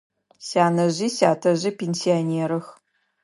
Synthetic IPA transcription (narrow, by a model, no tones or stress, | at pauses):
saːnɐʑiːsaːtʰɐʑipʰʲensioneːɾɨx